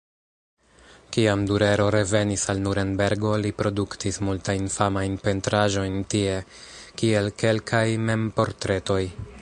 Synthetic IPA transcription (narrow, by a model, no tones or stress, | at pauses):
kiamduɾe̞ɾo̞ɾe̞ve̞nisalnuɾe̞nbe̞ɾɡo̞lipɾo̞duktismultajnfamajnpe̞ntɾaʒo̞jntie̞kie̞lke̞lkʰajme̞mpo̞ɾtɾe̞to̞j